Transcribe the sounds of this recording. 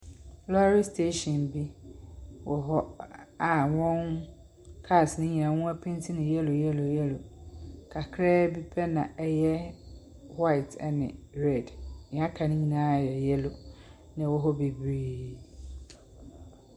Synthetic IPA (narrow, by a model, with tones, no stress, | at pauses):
lɔ˦a˦ɾi˦stʰe˦ɕɔ̃˨nbi˦ | wʔɔ˨ɦɔ˦a˨wɔ̃˦ŋ | kʰa˦˨snɪ̃˦ɲ̃˨ã˨wũ˦æ˦pʰɪ̃˦ntʰi˦nɪ̃˨jɛ˦lʊ˨jɛ˦lʊ˨jɛ˦lʊ˨kʰa˨kʰɾɛː˦bi˦pʰɛ˦nã˨ɛ˦jɛ˦ | wa˦ɪ˨tʰɛ˦nɪ̰̃˨ɾɛ˨dnɪ̃˨a˦kʰa˨nɪ̃˦ɲĩ˨nãː˦˨jɛ˨jɛ˦lʊ˨ | nɪ̃˨wɔ˦ɦɔ˦be˨bɾi˦